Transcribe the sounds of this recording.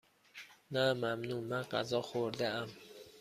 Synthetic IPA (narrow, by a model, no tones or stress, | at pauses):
næmæmnumæqæ̰zɒːxoɾd̪eæm